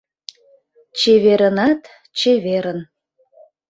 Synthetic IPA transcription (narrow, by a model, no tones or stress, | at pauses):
t͡ɕeβeɾənɑt̪ | t͡ɕeβeɾən